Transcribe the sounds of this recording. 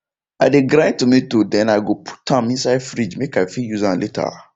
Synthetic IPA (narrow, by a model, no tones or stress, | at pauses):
a̰deɡɾãtomĩtodɛ̃naɡopʰu̥tʰãmĩsajfɾid͡ʒmekafijuzãlʔetʰa̰